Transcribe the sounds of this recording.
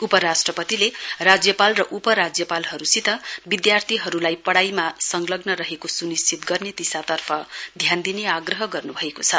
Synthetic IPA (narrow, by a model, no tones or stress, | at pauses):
upʌɾasʈrʌpʌt̪ilerad͡zjʌpalrʌʔupʌɾad͡zjʌpalɦʌɾusit̪ʌbid̪jart̪ʰiɦʌɾulajpʌɽajmasʌŋlʌɡnʌɾʌɦekosunist͡sʰit̪ɡʌrnet̪isat̪ʌrpʰʌd̪ʱjand̪ineaɡrʌɦʌɡʌrnubʱʌekot͡sʰʌ